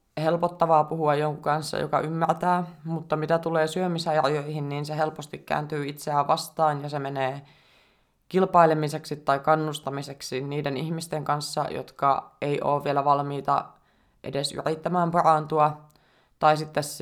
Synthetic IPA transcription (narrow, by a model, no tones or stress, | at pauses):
helpot̪ːɑʋɑːpuhuɑjjoŋkukɑnsːɑ̰jo̰kɑ̰ʔymːært̪æːmut̪ːɑmit̪æt̪uleːsyømisæɑrjoihinniːnseɦelpost̪ikkæ̰ːnt̪yːit̪seæːʋʋɑst̪ɑːnjɑsemeneː | kilpɑilemiseksit̪ːɑikɑnːust̪ɑmiseksiniːdenihmist̪eŋkɑnsːɑ̰jo̰t̪kɑeiʔo̰ːʋʋielæʋɑlmiːt̪ɑ̰ | ʔḛdesy̰rit̪ːæmæːmpɑrɑnt̪uɑ | t̪ɑisit̪ːes